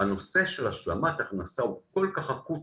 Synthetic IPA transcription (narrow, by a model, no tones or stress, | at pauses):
ano̞se̞ʃelaʃlamat̪aχnasauko̞lkaχaku